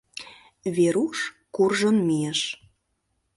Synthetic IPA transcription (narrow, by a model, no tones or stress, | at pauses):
βeɾuʃ | kurʒənmijeʃ